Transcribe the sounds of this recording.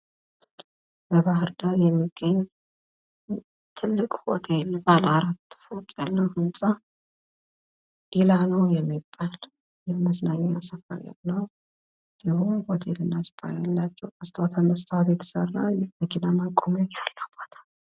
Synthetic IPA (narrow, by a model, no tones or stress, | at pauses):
bəβaɦɨɾd̪ad̪jɛmːiɡ̥ːəɲː | t̪ʰɨlːɨkʼho̰t̪ʰelbalaɾat̪ːɨ̥fəkʼjalːəwhɨnsʼa | delanəwjɛmːibːal | jɛməsnaɲːaasəfə̰ɾja̰nəw | dihuhot̪ʰelɨnːaspʰa̰jalːat͡ʃːɛwəst̪ʰawt̪ʰəməst̪ʰawt̪jɛt̪ʰə̥sərːalməɡinamakʼːomɛalːəwb̥ot̪ʰḁl